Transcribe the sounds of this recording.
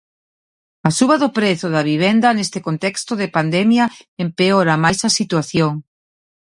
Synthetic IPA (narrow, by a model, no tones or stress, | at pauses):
ɐsuβɐðʊpɾeθʊðɐβ̞iβ̞ɛnd̪ɐnest̪ɪkont̪ɛkst̪ʊðɪpand̪ɛmjɐempeoɾɐmajsɐsit̪waθjoŋ